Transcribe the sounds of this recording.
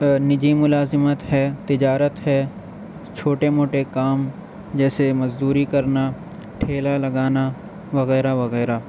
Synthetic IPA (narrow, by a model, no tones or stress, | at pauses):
nɪd͡ʒimʊlaːzɪmət̪ɦɛːt̪ɪd͡ʒaːɾət̪ɦɛː | t͡ʃʰoːʈemoːʈekaːm | d͡ʒɛːsemɐzd̪uːɾikɐɾna | ʈʰeːlalɐɡaːna | ʋɐɣɛːɾaʋɐɣɛːɾa